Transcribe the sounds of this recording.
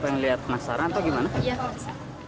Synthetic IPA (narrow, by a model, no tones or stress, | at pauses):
pajŋliɦat̪̚pnasaɾaat̪awɡimanaj